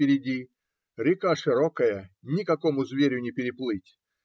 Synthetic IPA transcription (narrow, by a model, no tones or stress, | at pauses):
pʲɪɾʲɪdʲi | ɾʲɪkaʂɨɾokəjənʲɪkɐkomʊzvʲeɾʲjʊnʲɪpʲɪɾʲɪplˠɨtʲ